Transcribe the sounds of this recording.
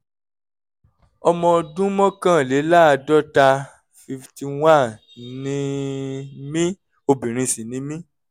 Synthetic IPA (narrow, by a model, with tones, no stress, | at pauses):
ɔ˧mɔ̃˧dũ˦mɔ̃˦kã˦˨le˨˦la˦a˧dɔ˦ta˧ | fi˧fti˧w̃a˦˨ | nĩ˦ | mĩ˦ | o˧bĩ˨ɾ̃ĩ˧sĩ˨nĩ˨˦mĩ˦